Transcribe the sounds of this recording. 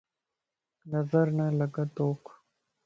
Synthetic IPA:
nɐzəɾnaləɡat̪oːk

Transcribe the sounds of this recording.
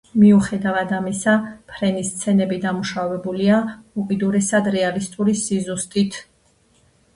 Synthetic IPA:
miuχɛd̪avad̪amisapʰɾɛnist̪sʰɛnɛbid̪amuʃavɛbuliaukʼid̪uɾɛsad̪ɾɛalist̪ʼuɾisizust̪ʼit̪ʰ

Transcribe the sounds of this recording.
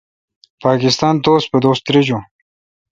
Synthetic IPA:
pɑːkɪst̪ɑːnt̪oːspəd̪oːst̪ɾed͡ʑu

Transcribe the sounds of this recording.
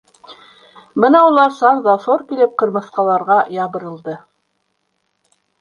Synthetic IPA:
bɤnɑulˠɑɾsɑnðɑsoɾkilɘp̚qɤ̆ɾmɤ̆θqɑlˠɑɾʁɑjɑβɤ̆ɾɤ̆lˠd̪ɤ

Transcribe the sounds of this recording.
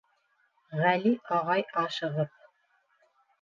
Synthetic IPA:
ʁæliʔɑʁɑjɑʃɤ̆ʁɤp̚

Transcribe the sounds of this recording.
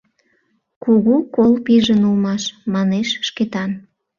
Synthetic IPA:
kuɣukolpiʒənulmɑʃmɑneʃʃket̪ɑn

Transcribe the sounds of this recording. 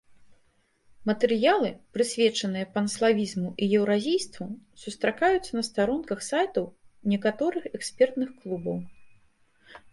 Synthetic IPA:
mɐt̪ɛɾɨjalˠɨpɾɨsʲvʲɛt͡ʂɐnɨjɐpɐnslˠavʲizmuʔijɛwɾazʲijst̪vusust̪ɾakajut̪sːɐnɐst̪aɾɔnkɐxsajt̪ɐwnʲɛkat̪ɔɾɨxɛksʲpʲɛrt̪nɨxklˠubɐw

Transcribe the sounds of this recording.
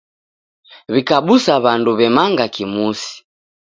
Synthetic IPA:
βikaɓusaβanduβɛmaŋɡakimusi̥

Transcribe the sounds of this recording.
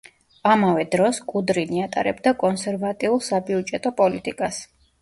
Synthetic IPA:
amavɛd̪ɾɔskʼud̪ɾiniat̪ʼa̰ɾɛbd̪akʼɔnsɛɾvat̪ʼiulˠsabiud͡ʒɛt̪ʼɔpʼɔlit̪ʼikʼas

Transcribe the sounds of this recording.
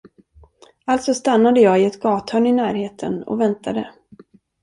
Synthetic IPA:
alt̪sɔst̪anːad̪əjɑːɪɛt̪ɡɑːt̪hœːɳɪnæːɾheːt̪ʰə̰nɔ̰vɛnt̪ʰad̪ə

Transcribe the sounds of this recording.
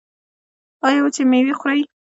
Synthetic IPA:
ɑjawt͡ʃemewixʊɾaj

